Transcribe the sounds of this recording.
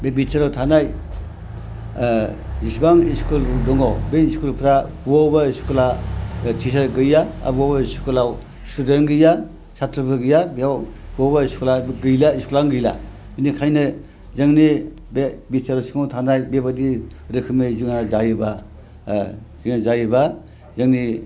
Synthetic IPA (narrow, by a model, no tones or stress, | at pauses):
bebitsaɾawtʰanaj | zisbaŋiskuldɔŋawbeiskulpʰɾabobaiskulatʰis̬aɡɯjaa̰bobasu̥kulaw | studenɡɯja | satʰɾɯpʰɯɡɯjabijawbɔbaiskulabɡɯjlaiskulaŋɡɯjla̰ | binikʰajnɯ | zɯŋni | bebisaɾɔsiŋawtʰanajbebadiɾɯkʰɯmɯziŋnazajɯba | ziŋnazajɯba | zɯŋni